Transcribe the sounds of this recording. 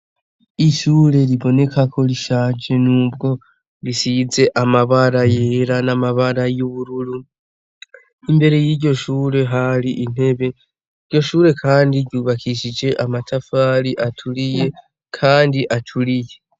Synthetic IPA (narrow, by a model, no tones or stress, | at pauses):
iʃuːɾe̞ɾiβo̞ne̞kakʰo̞ɾiʃaːd͡ʒe̞nuːbɡo̞ | ɾisize̞ʔamaβaɾajeɾanamaβaɾajuβuɾuɾu | imbe̞ɾe̞jiɟo̞ʃuːɾe̞ɦaɾiʔin̥he̞βe̞ | iɾɟo̞ʃuːɾe̞kʰaːndiɟuːβakʰiʃid͡ʒe̞ʔamatʰafaːɾiʔatʰuɾije̞ | kʰaːndiʔatʰuɾije̞